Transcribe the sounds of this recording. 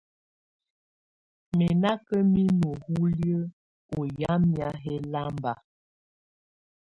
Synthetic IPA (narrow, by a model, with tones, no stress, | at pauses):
mɛ˨na˦kə˦mi˦no˨hu˦ljə˦ | o˨ja˦mja˦ɦɛ˦la˦mba˨